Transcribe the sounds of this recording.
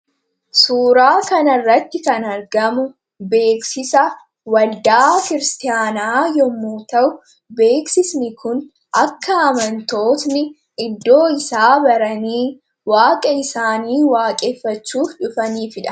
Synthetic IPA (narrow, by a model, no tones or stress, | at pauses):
suːɾaːkɐnɐrːɐt̪ːɪkɐnɐɾɡɐmʊ | be̞ːksɪsɐ | wɐld̪aːkɪɾɪst̪ɪjaːnaːjɔmːuːt̪ɐʔʊ | be̞ːksɪsnɪkʊn | ʔɐkːɐːmɐnt̪o̞ːt̪nɪ | ɪd̪ːo̞ːɪsaːbɐɾɐniː | waːkʼɐɪsaːniːwaːkʼɛːfːɐt͡ʃːuːfᶑʊfɐniːfɪᶑɐ̥